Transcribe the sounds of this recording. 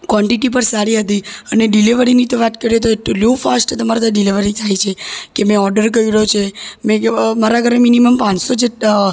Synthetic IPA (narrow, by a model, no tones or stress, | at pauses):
kʋɔɳʈiʈipəɾsaɾiɦət̪̬iəneɖiliʋəɾinit̪oʋat̪kəɾet̪oeʈolufasʈt̪əmaɾat̪aɖiliʋəɾit̪ʰajt͡ʃʰekemẽɔɾɖəɾkəiɾəɦot͡ʃʰemẽmaɾaɡʱəɾeminiməmpãt͡ʃsod͡ʒe